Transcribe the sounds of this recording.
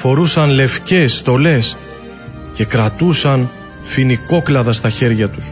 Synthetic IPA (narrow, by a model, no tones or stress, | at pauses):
fo̞ɾusɐnle̞fce̞sːt̪o̞le̞s | ce̞kɾɐt̪usɐn | finiko̞klɐðɐst̪ɐçe̞ɾʝɐt̪u̥s